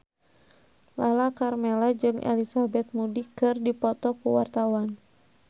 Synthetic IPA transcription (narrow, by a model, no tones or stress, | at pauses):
lalakarmɛlad͡ʒɨŋʔɛ̰lisabɛt̪̚mudikɨrdipɔt̪ɔkuwart̪awan